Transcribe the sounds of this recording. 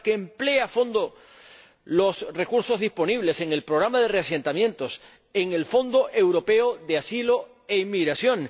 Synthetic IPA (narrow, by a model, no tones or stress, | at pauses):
keːmple̞aafo̞nd̪o | lo̞sre̞kuɾso̞zðispo̞niβ̞le̞se̞ŋe̞lpɾoɣɾamaðe̞rease̞nt̪amjent̪o̞s | e̞ŋe̞lfo̞nd̪o̞ʔe̞wɾo̞pe̞oðeasilo̞ | e̞imːiɣɾasjõ̞ŋ